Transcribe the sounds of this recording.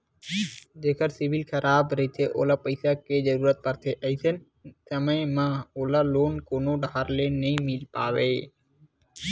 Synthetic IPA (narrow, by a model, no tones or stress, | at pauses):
d͡ʒeːkəɾsɪʋɪlkʰəɾʔaːbɾəɦit̪ʰeʔo̰ːlaːpəɪsaked͡ʒəɾuːɾət̪̚pəɾt̪ʰeʔəisʰən | səməjmãːoːlaːloːnkoːnoɖʱaːɾleːnəɦĩːmɪlpa̰ːʋeː